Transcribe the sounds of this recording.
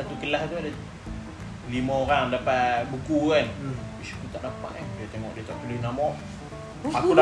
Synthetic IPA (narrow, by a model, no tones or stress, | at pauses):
sat̪ukəlaht̪uada | limə̃oɾaŋdapat̪bukukan | kut̪aʔdapa̰ʔkandiət̪eŋɔ̰ʔdiət̪aʔt̪ulɪhnamɔʔ | akuda